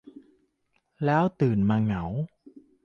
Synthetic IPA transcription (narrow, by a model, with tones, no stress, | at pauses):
laː˦˥wt̪ɨ˨˩nmaː˧˩ŋa˨˩˦w